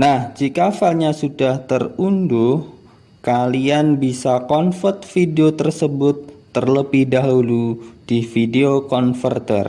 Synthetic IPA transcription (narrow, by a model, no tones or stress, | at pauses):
nahd͡ʒikafalɲasudaht̪ərundʊh | kalianbisakɔnfərt̪fideot̪ərsəbʊt̪ːərləbɪhdaɦulud̥ifideokɔnfərt̪ə̰r